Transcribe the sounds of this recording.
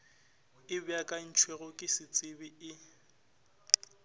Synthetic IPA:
ɪbɪakʼan̩t͡ʃʰweɣʊkʼɪsɪt͡sʼɪbɪɪ

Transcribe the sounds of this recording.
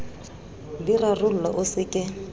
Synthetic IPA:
birarʊl̩laʔʊsɪkʼɪ

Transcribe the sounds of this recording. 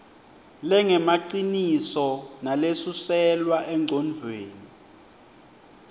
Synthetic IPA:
lɛŋɛmaǀinisɔnalesusɛlwaʔɛŋ͡ǀʱɔnd͡ɮʱweːni

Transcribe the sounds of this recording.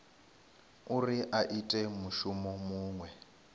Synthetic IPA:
uriʔaʔitʼɛmuʃumɔmuːŋwɛ

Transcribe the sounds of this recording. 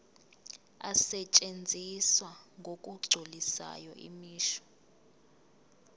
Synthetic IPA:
a̰sɛt͡ʃʼend͡zʱiswaŋɡʱokʼuɡ͡ǀʱulisa̰jɔʔḭmiːʃɔ̥

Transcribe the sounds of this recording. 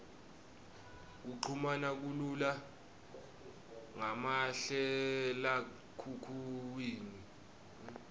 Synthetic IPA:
k̬uǃʰumanak̬ulula | ŋamaɬɛla | kʰukʰuwiːni

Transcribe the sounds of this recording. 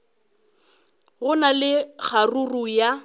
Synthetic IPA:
ɣʊnalɪk͡xʰaruruja

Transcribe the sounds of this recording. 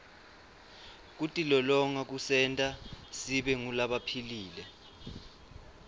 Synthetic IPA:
k̬utʼilɔlɔŋak̬usɛntʼasiɓɛŋulaɓapʰiliːlɛ

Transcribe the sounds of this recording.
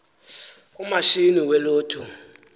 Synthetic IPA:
umaʃiniwɛloːtʰu

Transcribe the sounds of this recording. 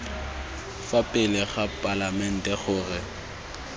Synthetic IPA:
fapʼɪlɪɣapʼalamɛn̩tʼɛχʊːrɪ

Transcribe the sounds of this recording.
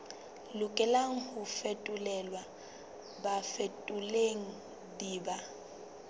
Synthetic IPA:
lʊkʼɛlaŋ̩hʊfetʼulɛlwa | bafetʼuleŋ̩ | diːba

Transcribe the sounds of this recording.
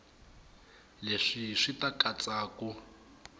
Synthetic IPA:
leʂiʂitakʼat͡sʼaːku

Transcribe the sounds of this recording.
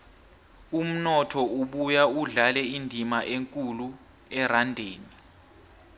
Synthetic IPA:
um̩nɔtʰɔuɓujauɮalɛindʱimaʔeŋkʼulu | ɛrandʱeːni

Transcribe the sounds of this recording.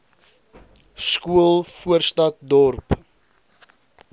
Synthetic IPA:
skuəlˠfuərstɐt̚dɔrp

